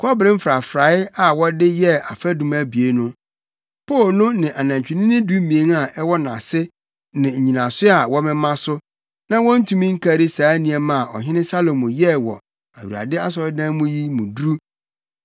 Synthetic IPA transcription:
kʰɔ˦bɾɪ̃˦m̩˦fɾa˨fɾa˨˦ɪ˦a˨wɔ˦dɪ˦jɛ˦a˨fæ˦dũ˨mæ˦bi˨e˨˦nʊ̃˦ | pʰoː˦˨lnʊ̃˦nɪ̃˨ʔa˨nã˨ɲ˨t͡ɕᶣɪ˨nɪ̃˦nɪ̃˦du˦mĩ˨e˨˦ŋa˨ʔɛ˦wɔ˦nã̰˨sɪ˦ | nɪ̃˨ɲ̩˨ɲĩ˨nã˨sʊ˦a˨wɔ˦mɪ̃˦mã˦sʊ˦ | nã˦wɔ̃˦n̩˦tʰũ˨mĩ˦ŋ̩˦kʰa˦ɾi˦saː˨˦nĩ˨ɛ˨mã˦˨ɔ̰˨ɦɪ̃˦nɪ̃˦sa˦lo˨mʊ̃˨jɛ˦wɔ̰˨ | a˨wu˨a̰˨dɪ˦a˦s̬ɔ˨ɾɪ˦dã˦mʊ̃˦ji˦mũ˨dɾu˦

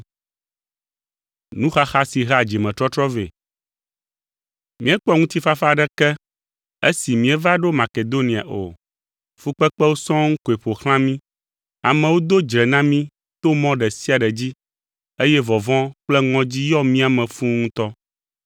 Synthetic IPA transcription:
nũ˦xa˦xa˦si˨ɦa˨d͡ʑi˨mɛ̃˨t̪ɾɔ˦t̪ɾɔ˦vḛ˨ | mĩ˦ɛ˦k͡pɔ˦ŋũ˦t̪i˦fa˦fa˦˨ɖɛ˦kɛ˦ | e˦si˨mĩ˨ɛ˨va˦ɖo˦mã˨ke˨d̪o˦nĩ˨a̰˨ʔo̰˨ | fu˦k͡pɛ˦k͡pɛ˦wo˦sɔ̃˦ŋ̩̃˦ko˨e˨ɸo˨xl̃ã˦mĩ˦ | a˨mɛ̃˨wo˦d̪o˦d͡ʒɾɛ˨nã˦mĩ˦ | t̪o˦mɔ̃˦ɖɛ˨si˦a˨ɖɛ˨d͡ʑi˦ | e˦jɛ˦vɔ˨vɔ̃˦k͡plɛ˦ŋɔ̃˦d͡ʑi˦jɔ˦mĩ˦a˨mɛ̃˨fũ˦ŋũ˦t̪ɔ˦

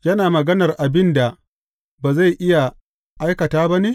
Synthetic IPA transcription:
jɐ˦naː˨mɐ˨ɡɐ˦nɐ˨rʔa˨bɪ˦nda˨ | baː˨za˦˨jʔɪ˦ja˨ | ʔa˦jkɐ˨taː˦bɐ˦neː˦

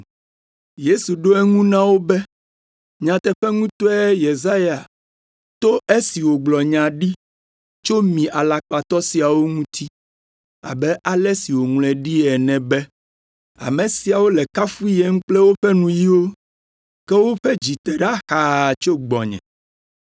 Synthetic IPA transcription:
je˦su˨ɖo˦ɛ˦ŋũ˦nã˦wo˦bɛ˦ | ɲã˨t̪ɛ˦ɸɛ˦ŋũ˦t̪o˦ɛ˦je˨za˦ja˨ | t̪o˦ʔe˦si˨wo˨ɡ͡blɔ˨ɲã˨ɖi˦ | t͡ʃo˦mĩ˨ʔa˨la˨k͡pa˨t̪ɔ˦si˨a˨wo˦ŋũ˦t̪ʰi˦ | a̰˨bɛ˦ʔa˨lɛ˦si˨wo˨ŋlɛ̃˨ɖi˦ɛ˨nɛ̃˨bɛ˦ | a̰˨mẽ˨si˨a˨wo˦lɛ˨ka˦fu˦i˦jɛ˦ŋ̩˦k͡plɛ˦wo˦ɸɛ˦nũ˨ji˦wo˦ | kɛ˦wo˦ɸɛ˦d͡ʑi˨t̪ɛ˨ɖa˦xa˨t͡ʃo˦ɡ͡bɔ̰˨ɲɛ̰̃˨

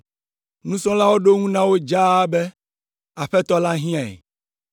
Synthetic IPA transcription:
nũ˦sɔ̃˦la˦wo˦ɖo˦ŋũ˦nã˦wo˦d͡ʒa˦bɛ˦ | a˨ɸɛ˦t̪ɔ˦la˦ɦĩ˦ã̰˨

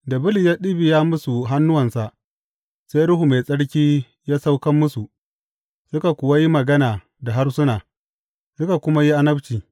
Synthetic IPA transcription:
da˨bɪ˦li˨jaː˦ɗɪ˦bi˨jaː˦mʊ˦su˨ɦa˦nːʊ˦wɐ˨nsa˨ʔ | se˦ɾʊ˦ɦu˨me˨sʼɐ˦ɽkʲiː˦ | jaː˦sa˦wkɐ˦mːʊ˦su˨ | sʊ˦ka˨kʷʊ˨wa˦ji˦mɐ˨ɡɐ˦naː˨ | da˨ɦa˦rsʊ˦naː˨ | sʊ˦ka˨kʷʊ˦ma˦ji˦ʔa˦nɐ˦bt͡ʃiː˨

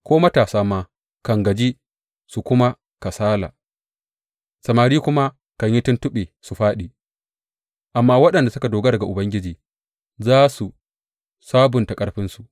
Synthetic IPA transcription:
kʷoː˦mɐ˦taː˨saː˦maː˦ | kɐ˨ŋɡɐ˨d͡ʒi˦ | su˨kʷʊ˦ma˦ | ka˨saː˦la̰ː˨ | sɐ˨maː˨ɾiː˦kʷʊ˦ma˦ | kɐ˨ɲji˦tʊ˦ntʊ˦ɓeː˨su˨ɸaː˦ɗiː˨ | ʔa˨mːaː˦wɐ˦ɗɐ˨nda˨sʊ˦ka˨doː˨ɡa˦dɐ˨ɡa˨ʔʊ˨bɐ˦ŋɡʲɪ˦d͡ʒiː˨ | zaː˦su˨ | saː˦bʊ˨ntɐ˨kʼɐ˦ɽɸɪ˦nsu˨ʔ

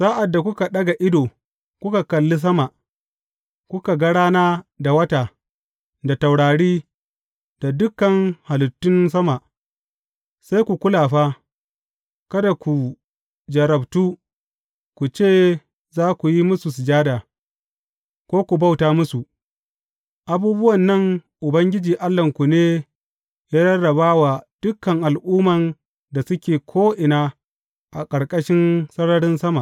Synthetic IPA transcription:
sa˦ʔa˨dːa˨kʷʊ˦ka˨ɗɐ˦ɡa˨ʔɪ˦doː˨ | kʷʊ˦ka˨kɐ˨lːi˦s̬ɐ˦ma˨ʔ | kʷʊ˦ka˨ɡɐ˦ɽaː˦naː˦da˨wɐ˦taː˨ | da˨ta˨wɽaː˨ɽiː˦ | d̥a˨dʊ˦kːɐ˨ŋha˨lʊ˨tːʊ˦ns̬ɐ˦ma˨ | sa˦jkʷu˨kʷʊ˦laː˨ɸaː˦ | kɐ˦da˨kʷu˨ | d͡ʒɐ˨ɾɐ˨btuː˦ | kʷu˨t͡ʃeː˦˨ | zaː˦kʷu˨ji˦mʊ˦su˨s̬ɪ˨d͡ʒaː˦daː˨ | kʷoː˦kʷu˨ba˦wtaː˦mʊ˦su˨ʔ | ʔa˨buː˦bʊ˦wɐ˨nːɐ˦˨ŋʔʊ˨bɐ˦ŋɡʲɪ˦d͡ʒiː˨ʔa˦lːɐ˨ŋkʷu˨neː˦ | jaː˦jɐ˦ɽɐ˨baː˦wa˨d̥ʊ˦kːɐ˨ŋʔa˨lʔuː˦mɐ˨n | da˨sʊ˦kʲeː˨kʷʰoː˦ʔɪ˨naː˦ | ʔa̰˨kʼɐ˨ɽkʼɐ˦ʃɪ˦nsɐ˦ɽɐ˦ɽɪ˦nsɐ˦ma˨

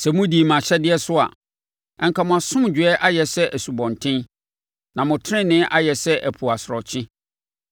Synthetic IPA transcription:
sɛ˨mʊ̃˦diː˨mã˨ɕɛ˦dɪ˦ɛ˦sʊ˦a̰˨ | ɛ˨ŋkʰa˨mʊ̃˨a˨sʊ̃˦m˨d͡ʑᶣɥɛ˦ʔa˦jɛ˨sɛ˦ʔæ˨su˨bɔ̃˨ntʰɪ̃˦n | nã˨mʊ̃˨tʰɾɪ̃˦nːɪ̃˦ʔa˦jɛ˨sɛ˦ʔæ˨pʰu˨a˨sɾɔ˨t͡ɕʰɪ̃˦

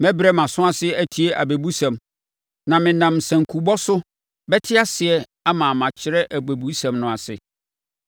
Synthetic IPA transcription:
mɛ̃˦bɾɛ˦mã˨sʊ̃˦a˦sɪ˦æ˦tʰi˦e˦ʔa˨bæ˨bu˦sã˨m | nã˨mɪ̃˨nã˨msã˨ŋ˨kʰu˨bɔ˦sʊ˦ | bɛ˦tʰɪ˦a˦sɪ˨ɛ˦ | a˦mã˨mã˨t͡ɕʰɪ˨ɾɛ˦ʔæ˨bæ˨bu˦sã˨mnʊ̃˨a˨sɪ̰˨

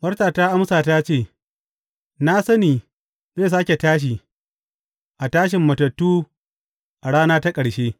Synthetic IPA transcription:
wɐ˦rtaː˨taː˦ʔa˦msaː˨ta˦t͡ʃeː˦˨ | na˦sɐ˦niː˨ | zeː˦˨s̬aː˦kʲe˨taː˦ʃ̬iː˨ | ʔa˨taː˦ʃ̬ɪ˨mːɐ˨tɐ˨tːuː˦ | ʔa˨ɽaː˦naː˦ta˦kʼɐ˨ɽʃeː˦

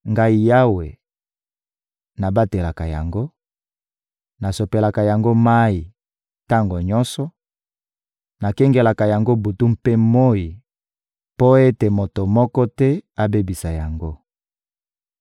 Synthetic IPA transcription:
ŋɡa˦i˨ja˦we˨ | na˨ba˦te˨la˨ka˨ja̰˨ŋɡo˦ | na˨so˨pe˨la˨ka˨ja˨ŋɡo˦ma˦i˨ | ta˦ŋɡo˨ɲɔ˦nsɔ˦ | na˨kɛ˦ŋɡe˨la˨ka˨ja˨ŋɡo˦bu˨tu˦m̩pe˦mo˦i˨ | po˦e˦te˨mo˨to˨mɔ˦kɔ˦tɛ˦a˦be˦bi˨sa˨ja˨ŋɡo˦

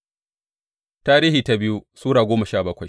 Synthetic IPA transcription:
taː˦ɾiː˦hiː˨ta˦bɪ˦ju˦suː˦ɽaː˨ɡʷoː˦mɐ˨ʃaː˦˨bɐ˦kʷa˨j

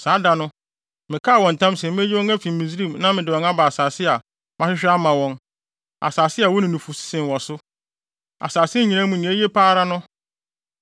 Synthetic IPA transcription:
saː˨˦da˨nʊ̃˦ | mɪ̃˨kʰa˦˨wɔ̃˨n̩˨tʰã˦msɛ̃˨mm˦e˦jwɔ̃˦ŋæ˦fĩ˨mː˨ĩ˨sɾĩ˦˨mnã˦mɪ̃˨dɪ˨wɔ̃˨ŋa˦ba˨a˨saː˨sɪ˦a˨ | mã˦ɕᶣɪ˦ɕᶣɪ˦a˦mã˨wɔ̃˦n | a̰˨saː˨sɪ˦a˨wɔ˦nɪ̃˨nũ˨fu˨si̥˦sɪ̃˨n˨wɔ̃˨sʊ˦ | a̰˨saː˨sɪ˦˨ɲĩ˨nã˦mũ˨nĩ˨˦æ˦je˦pʰaː˦ɾa˦nʊ̃˦

